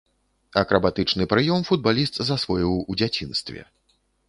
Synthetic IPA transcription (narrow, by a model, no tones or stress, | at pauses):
ɐkɾɐbat̪ɨt͡ʂnɨpɾɨjɔmfud̪̚balʲist̪zasvɔjiwud͡zʲat͡sʲinst̪vʲɛ̰